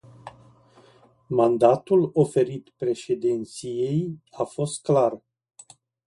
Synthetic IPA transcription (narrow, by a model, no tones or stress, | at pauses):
mand̪at̪ulo̞fe̞ɾit̪pɾe̞ʃe̞d̪ent̪sije̞jafo̞st̪̚klar